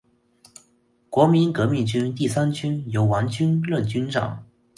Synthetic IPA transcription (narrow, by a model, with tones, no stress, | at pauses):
kwɔ˧˥mi˧˥nkɤ˧˥mi˥˩ŋt͡ɕy˥nt̪i˥˩sa˥nt͡ɕy˥njo˧˥ʊwɑ˧˥ŋt͡ɕy˥nlə˥˩nt͡ɕy˥nʈ͡ʂɑ̰˨˩˦ŋ